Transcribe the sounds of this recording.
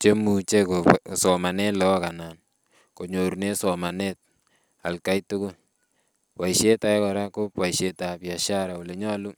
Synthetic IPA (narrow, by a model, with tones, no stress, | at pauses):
t͡ʃe˦mu˨t͡ʃe˦ko˨sɔ˨ma˨nɛ˦lɔ˦ka˨na˨n | ko˨ɲo˨ɾne˦sɔ˨ma˨ne˦t̚ | a̰˨lka˦jtu˦kʊ˦l | wa˨iʃe˦ta˨ɛ˦kɔ˨ɾa˦ko˦pwa˨iʃe˨ta˨pja˨ʃa˦ɾa˨o˨le˨ɲɔ˦lu˦